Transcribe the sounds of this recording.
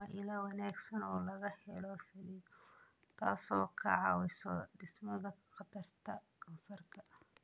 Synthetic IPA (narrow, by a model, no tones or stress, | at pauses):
ɐʔɪlaːwɑnaːɡsɐnɔːlɐɣɐħɛlɔsɛ | t̪ʰaːsɔːkʰɐʕɑ̰wɪsɔ̰ɖɪsmɐðɐqɑt̪ʰɐrt̪ʰɐkʰɐnfɐrkʰɐ